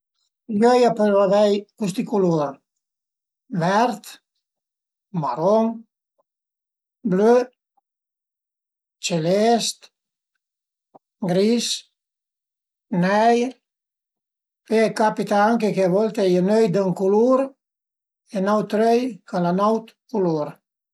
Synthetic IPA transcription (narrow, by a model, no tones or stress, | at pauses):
jɔjapəɾvavɛjkust̪ikuluɾ | vɛɾt̪ | maɾɔŋ | blø | t͡ʃelɛst̪ | ɡɾis | nɛjɾ | pekapit̪aaŋkekevɔlt̪ejənøjd̪əŋkuluɾ | enawt̪ɾøjkalanawt̪kuluɾ